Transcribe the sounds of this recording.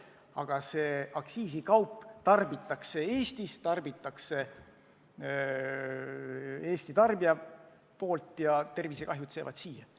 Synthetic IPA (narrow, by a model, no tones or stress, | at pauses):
ɑɡ̥ɑse̞ːʔɑksiːsikɑwpˑːt̪ɑrbit̪ːˑɑkse̞e̞ːst̪ist̪ɑrbit̪ːˑɑkse̞ | e̞ːst̪it̪ɑrbiɑ | poːlt̪ːˑjɑt̪e̞rvise̞kɑɦjut̪seːvɑ̰d̪̥siːjɑ